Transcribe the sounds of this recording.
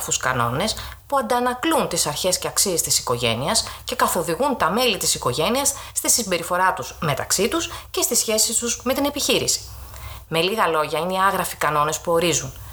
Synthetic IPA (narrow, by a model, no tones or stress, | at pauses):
fuskɐ̰no̞̰ne̞s | puɐnd̪ɐnɐklunt̪isɐɾçe̞sce̞ɐksie̞st̪isi̥ko̞ʝe̞̰niɐsce̞kɐθo̞ðiɣunt̪ɐme̞lit̪isiko̞ʝe̞niɐsst̪isimbe̞ɾifo̞ɾɐt̪uzme̞t̪ɐksit̪usce̞st̪isçe̞sist̪uzme̞t̪ine̞piçiɾḭsi̥ | me̞liɣɐlo̞ʝɐineiɐɣɾɐfi̥kɐno̞ne̞spuo̞ɾizun